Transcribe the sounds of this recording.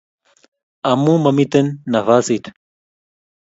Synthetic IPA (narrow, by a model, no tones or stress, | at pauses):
ɐmumɐmit̪ɐnːɐvaːsit̪ʰ